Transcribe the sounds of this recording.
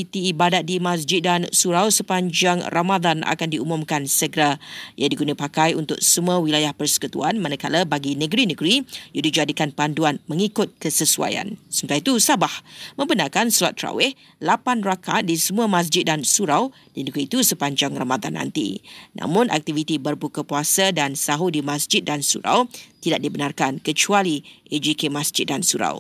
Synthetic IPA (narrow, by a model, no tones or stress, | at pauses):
it̪iːbadat̪̚dimas̬d͡ʒɪt̪̚dansuɾawsəpaɲd͡ʒaŋramad̪anʔa̰kandiumũmkansəɡɾajadiɡunapakajunt̪ʊk̚səmuãwilajahpərsə̥kut̪ṵanmanãkalabaɡinəɡɾinəɡɾijudid͡ʒadikanpanduanmə̃ŋikʊt̪̚kəsəsua̰ja̰nsəmt̪ait̪usabahmə̃mbənarkansulat̪ːɾa̰wɪh | lapanrakat̪̚disəmũamãs̬d͡ʒɪt̪̚dansuɾaw | dinəɡɾiːt̪usəpaɲd͡ʒaŋramad̪a̰nːã̰nt̪ḭna̰mʊ̃nʔa̰k̚t̪ivit̪ibərbukəpuasadansaɦudimãsd͡ʒɪt̪̚dansṵɾa̰wt̪idaʔ̚dibənarkankət͡ʃualied͡ʒikemasd͡ʒɪt̪̚dansuɾa̰w